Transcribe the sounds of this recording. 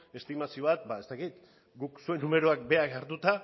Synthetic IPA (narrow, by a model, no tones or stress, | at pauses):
e̞st̪imasio̞βat̪̚bae̞st̪akit̪ | ɡuksue̞nːume̞ɾoakbe̞akaɾt̪ut̪a